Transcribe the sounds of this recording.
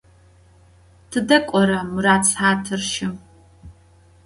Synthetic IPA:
tʰɨdɐkʷʼɔɾɐmɨɾaːt͡sʰʼħaːtʰɨrʃɪm

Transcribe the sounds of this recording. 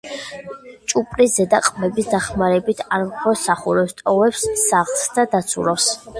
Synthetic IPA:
t͡ʃʼupʼɾizɛd̪aqʼmɛbisd̪aχmaɾɛbit̪ʰaɾmχɔsaχuɾɛpst̪ʼɔvɛpsːaʁlˠsd̪ad̪at̪sʰṵɾɔps

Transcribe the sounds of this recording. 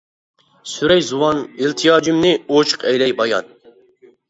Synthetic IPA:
syɾɛjzuwɑnilˠt̪ʰijɑːd͡ʒymnɪot͡ʃʰə̥qʰɛjlɛjbɑjɑ̰n

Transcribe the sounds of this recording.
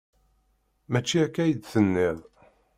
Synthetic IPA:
mæt͡ʃːiækːæjəd̪θənːið

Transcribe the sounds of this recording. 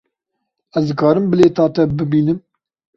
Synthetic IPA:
ɛzd̪ɨkɑːɾɨmbɨleːt̪ɑːt̪ɛbɨbiːnɨm

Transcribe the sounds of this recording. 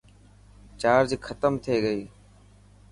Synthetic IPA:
t͡ʃaːɾd͡ʒkʰət̪əmt̪ʰeːɡəiː

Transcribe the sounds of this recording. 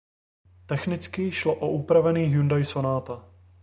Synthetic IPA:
t̪ɛxnɪt͡skɪʃloʔoʔupɾavɛniːxjundajsonaːt̪a

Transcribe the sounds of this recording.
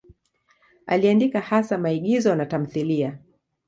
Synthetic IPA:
a̰liandikahasamaiɠizɔnatam̩θilia

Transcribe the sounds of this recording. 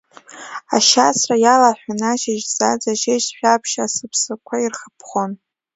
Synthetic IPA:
a̰ʃasʰrajalaħʷᶣanaʃɪʒz̥ad͡zaʃet͡ʃʃʷᶣapʰʃasɨpʰsɨkʷʰairχəpʰχʷon

